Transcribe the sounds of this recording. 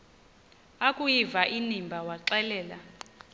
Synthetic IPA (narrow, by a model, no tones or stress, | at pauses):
akʼujivaʔinimbʱawaǁɛlɛːla